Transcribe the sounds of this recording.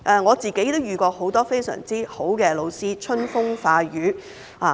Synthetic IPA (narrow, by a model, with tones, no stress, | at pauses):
ʔɛː˨ŋɔː˨˧t͡siː˨ke˨˥jt̪o˥wjyː˨˩kɔː˧ho˨˥wt̪ɔː˥fe˥jsœ̰ː˨˩ŋt͡siː˥ho˨˥wkɛː˧lo˨˧wsiː˥t͡ʃʰɵ˥nfʊ˥ŋfaː˧jyː˨˧ | aː˨˩